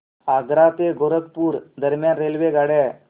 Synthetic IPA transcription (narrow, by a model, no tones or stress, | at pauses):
aɡɾat̪eɡʱoɾəkpuɾd̪əɾmjanɾelʋeɡaɽe